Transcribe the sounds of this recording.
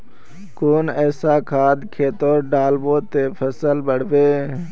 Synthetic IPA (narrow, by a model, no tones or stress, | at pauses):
koːnɛːsaːkʰaːd̪kʰeːt̪oːɾɖaːlboːt̪eːfʰəsəlbəɽ̤ʋeː